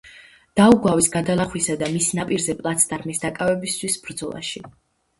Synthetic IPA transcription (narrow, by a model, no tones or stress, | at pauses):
d̪̥auɡwavisɡad̪alˠaχwisad̪amisnapʼiɾzɛpʼlˠat̪sʰt̪ʼaɾmisd̪akʼavɛbist̪ʰwisb̥ɾd̪zɔlˠa̰ʃi